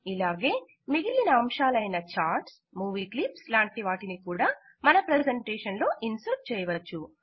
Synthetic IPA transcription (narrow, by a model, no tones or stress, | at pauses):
ilaːɡe̞ː | miɡilinɐːmʃaːlɐjnɐt͡ʃaːɾʈs | muːʋiːklipslaːɳʈiʋaːʈinikuːɽaː | mɐnɐpɾed͡ʒeɳʈɛːʂɐnlo̞ːʔinsɐp̚t͡ʃɛːjɐʋɐt͡ʃːu